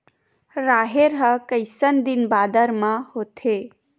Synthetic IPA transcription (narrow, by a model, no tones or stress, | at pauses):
ɾaːɦeɾɦəkəjsənd̪inbaːd̪əɾmãhoːt̪ʰeː